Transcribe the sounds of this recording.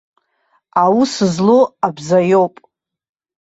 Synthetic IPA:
awusɨzloabzajowpʼ

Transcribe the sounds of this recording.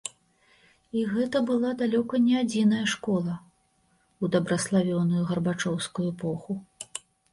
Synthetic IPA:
iɣɛt̪ɐbɨlˠad̪alʲɔkɐnʲɛad͡zʲin̪ɐjɐʂkɔlˠɐ | ud̪ɐbɾɐslˠavʲɔnujuɣɐrbat͡ʂɔwskujuɛpɔxu

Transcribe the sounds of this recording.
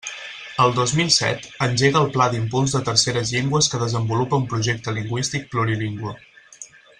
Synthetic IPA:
əlˠd̪ozmilˠsɛ̰t̪ənʲʒeɣəːlˠplad̪impulˠzðət̪əɾseɾəzʎeŋɡwəskəðəzəmbulupəumpɾuʒek̚t̪əliŋɡwist̪ik̚pluɾiliŋɡwə

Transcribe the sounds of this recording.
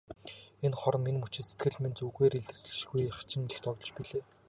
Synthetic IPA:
enχɔɾ̆mːinmut͡ɕɪ̆t̪se̥t̪̚ɡɘ̆ɮment͡suːɣeːɾiɮt̪rɘ̆t͡ɕɘ̥̆ʃɡujχḁt͡ɕɪ̆ŋɘ̆xt̪ʰɔɣɞ̆t͡ɕpiɮeː

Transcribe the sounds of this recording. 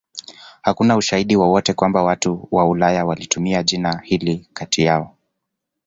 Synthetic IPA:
hakunauʃaiɗiwɔwɔtɛkwambawatuwaulajawalitumiaʄinahilikatijaɔ

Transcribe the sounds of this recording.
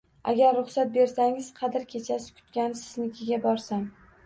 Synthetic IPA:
a̰ɡʲaɾːʊχsat̪̚be̞ɾsaŋɪz̥qʰɑd̪ɪɾkʲʰe̞t͡ʃʰasɪ̥kʲʰʊ̥t̪̚kʲansɪ̥znɪkʲʰɪɡʲabɒɾsam

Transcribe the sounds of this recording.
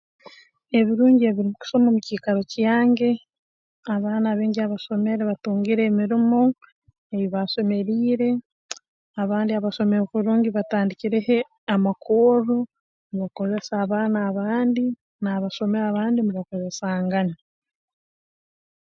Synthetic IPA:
e̞βiɾuːɲɟieβiɾimuku̥ʃo̞mamuciːkaɾo̞cjaːŋɟe̞ | aβaːnaːβeːɲɟiaβaʃo̞meɾeβatuːŋɡiɾe̞ːmiɾimo̞ | eβiβaʃo̞me̞ɾiːɾe̞ | aβaːndiaβaʃo̞meɾokuβɾuːɲɟiβataːndiciɾehe | amakʰoːɾo | niβako̞ze̞saːβaːnaːβaːndi | naːβaʃo̞meɾaβaːndiniβako̞ze̞saːŋɡaɲa

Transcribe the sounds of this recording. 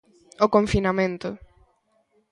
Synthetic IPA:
okõɱfinamẽnt̪ʊ

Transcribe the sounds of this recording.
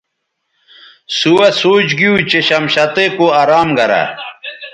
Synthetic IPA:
suwɐsoːt͡ɕɡiut͡ɕeɕɐmɕɐt̪ekoaɾaːmɡɐɾa̰

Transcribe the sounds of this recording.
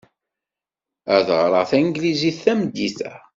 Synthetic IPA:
æðʁɾˤəʁθænɡliziθːæmd̪ːiθæ̰

